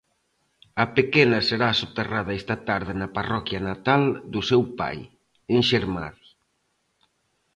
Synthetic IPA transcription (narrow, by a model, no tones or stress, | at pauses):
ɐpekenɐseɾasot̪erað̞aest̪ɐt̪aɾð̞ɪnɐparɔkjanat̪ald̪usewpa̰j | eŋʃeɾma̰ði